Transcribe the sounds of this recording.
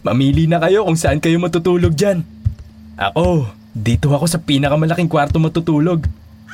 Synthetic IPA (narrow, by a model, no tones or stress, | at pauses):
mɐmiːlinɐkɐjo̞kʊŋsɐʔankɐjo̞mɐt̪ʊt̪uːlo̞ɡ̚d͡ʒan | ʔɐ̰ko̞ | d̪iːt̪ohɐko̞sɐpiːnɐkɐmɐlɐkiŋkwaɾt̪o̞mɐt̪ʊt̪uːlo̞ɡ